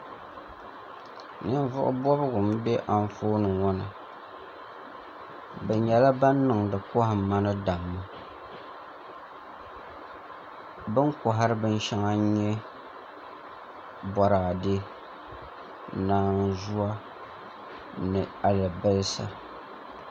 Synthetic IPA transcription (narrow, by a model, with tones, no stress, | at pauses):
nɨ˦ɱ˦vʊ˦ʔʊ̰˦bɔ˦bɨ˦ɡʊ˨m˦bɛ˦ʔa˦ɱ˦foː˦nɨ˨wɔ˦nɨ˨ | bɛ˨ɲɛ˨la˦ba˦nː˦ɨ˨ŋdɨ˨kɔ˦hɨ˨mːa˦nɨ˦da˨mːa˦ | bɨ˦ŋkʊ˨ɦa˦ɾɨ˦bɨ˦n˦ʃa˦ŋa˦ɲɛ˦ | bɔ˨ɾaː˨de˦ | naː˦n̩˦zu˦a˦ | nɨ˨a˨lɨ˨bɨ˦lsa̰˨